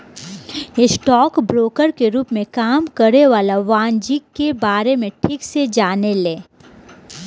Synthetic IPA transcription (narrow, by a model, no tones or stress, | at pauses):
jesʈɔːkbɾoːkəɾkeɾuːpmẽkaːmkəɾeʋaːlaʋãːnd͡ʒikkːebaːɾemẽʈʰiːksed͡ʒaːnelẽː